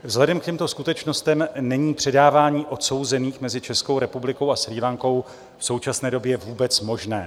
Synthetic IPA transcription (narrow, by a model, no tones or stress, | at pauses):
vzlɛdɛmkcɛmt̪o̞skut̪ɛt͡ʃno̞st̪ɛmnɛɲiːpr̥ɛdaːvaːɲiːʔo̞t̪so̞wzɛniːxmɛzɪt͡ʃɛsko̞wɾɛpublɪkowasɾiːlaŋko̞w | fso̞wt͡ʃasnɛːdo̞bjɛɛvuːbɛt͡smo̞ʒnɛː